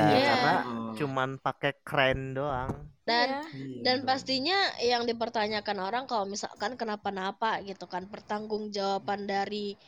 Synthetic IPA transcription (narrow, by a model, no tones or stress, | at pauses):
jakanat͡ʃumanpakɛkɾɛndoaŋdandanpast̪iɲajaŋdip̬ərt̪aɲakanoɾaŋkalomisa̰lkankənapanapaɡit̪ukanpərt̪aŋɡʊŋd͡ʒawapandaɾi